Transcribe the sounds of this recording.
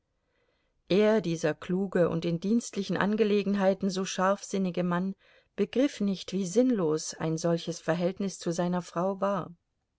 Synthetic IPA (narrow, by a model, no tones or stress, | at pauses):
ʔeːɐdiːzɐkʰl̥uːɡəʔʊ̰ntdɪndiːnstlɪçn̩ʔa̰nɡəleːɡŋ̩ɦaɪtn̩zoːʃaɐfz̥ɪnɪɡəman | b̥əɡʁɪfnɪçtv̥iːzɪnloːsa̰ɪnzɔlçəsfɛɐɦɛltnɪst͡suzaɪnɐfʁ̥aʊvaːɐ